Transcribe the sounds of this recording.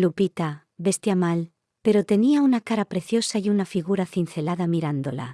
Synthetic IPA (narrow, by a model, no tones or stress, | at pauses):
lupit̪a | be̞st̪jamal | pe̞ɾo̞t̪e̞niaunakaɾapɾe̞θjo̞saiunafiɣuɾaθin̟θe̞laðamiɾand̪ola̰